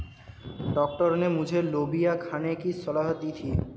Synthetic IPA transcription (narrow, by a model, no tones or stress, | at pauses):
ɖɔk̚ʈɔɾonemud͡ʑʱelobijakʰanekisɔlaɦot̪id̪ʰʱi